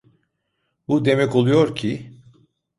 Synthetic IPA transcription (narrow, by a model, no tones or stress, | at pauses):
bud̪e̞mɛko̞lˠujo̞ɾcʰi